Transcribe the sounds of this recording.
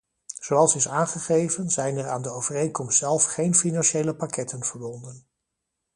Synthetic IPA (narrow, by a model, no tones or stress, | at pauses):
z̥owɑlˠsɪsaːnχəχejvənzɛjnɛra̰ːndəowvərejnkɔmstzɛlˠfχejnfinɑnʃejləpakɛtənv̥əɹbɔndən